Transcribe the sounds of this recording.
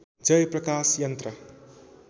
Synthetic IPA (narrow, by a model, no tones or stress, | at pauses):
d͡ʒʌjpɾɐkasjʌnt̪ɾʌ